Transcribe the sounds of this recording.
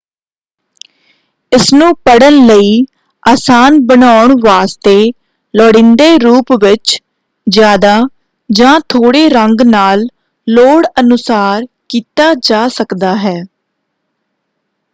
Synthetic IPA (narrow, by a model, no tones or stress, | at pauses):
ɪsnũːpəɽənləiː | aːsaːnbənaːʊɳʋaːst̪eː | lɔːɽɪ̃nd̪eːɾuːpʋɪt͡ʃ | d͡ʒjaːd̪aː | d͡ʒãːt̪ʰoːɽeːɾəŋɡnaːlː | oːɽənʊsaːɾ | kiːt̪aːd͡ʒaːsəkd̪aːɦɛː